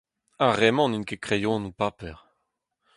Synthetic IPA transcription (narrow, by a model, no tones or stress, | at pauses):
aʁɛmɑ̃nynkekχejɔ̃nupapɛʁ